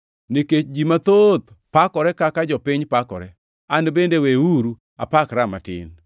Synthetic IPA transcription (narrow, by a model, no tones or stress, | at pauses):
niket͡ʃd͡ʒimat̪ot̪ | pakɔɾɛkakad͡ʒɔpɪɲpakɔ̰ɾɛ | anbendeweuɾu | a̰pakɾamatɪ̰n